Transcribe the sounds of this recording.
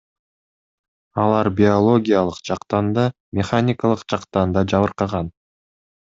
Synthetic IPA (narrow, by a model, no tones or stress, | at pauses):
ɑlˠɑɾbʲɪo̞lˠo̞ɡʲijalˠɯqd͡ʒɑqt̪ɑnd̪ɑ | mʲɪχanʲɪkalˠɯqd͡ʒɑqt̪ɑnd̪ɑd͡ʒɑβɯɾqɑʁɑn